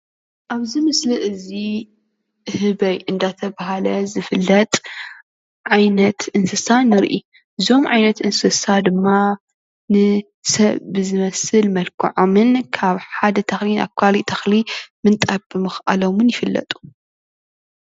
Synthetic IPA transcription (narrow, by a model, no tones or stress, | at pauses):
ʔaβzɨmɨslɨʔɨzi | hɨβɐjʔɨnd̪at̪ʰɐβaɦalɐzɨfɨlːɐt̪ʼ | ʕajnɐt̪ʔɨnsɨsanɨɾʔḭ | ʔɨzo̞mʕa̰jnɐt̪ɨnsɨsad̪ɨmːa | nɨ | sɐβbɨzɨmɐsɨlmɐlkʰɨ̰ʕomɨnkʰaβħad̪ɐt̪ʰɐxlina̰kʷʰalit̪ʰɐxlimɨnt̪ʼabɨmɨxʔa̰lomɨnjɪfɨlːɐ̰t̪ʼu̥